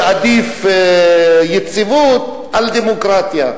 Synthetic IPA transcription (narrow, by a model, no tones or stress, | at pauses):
ʕad̪if | jet͡sivut̪ | ʕald̪emokɾat̪ja